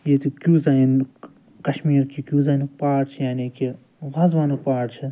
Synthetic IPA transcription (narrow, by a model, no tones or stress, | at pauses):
jeːt̪ʰikʲuːzain | kɐʃmiːɾkikʲjuːzaːinpaːʈt͡ʃʰijaːniki | ʋɐzʋaːnupaːʈt͡ʃʰi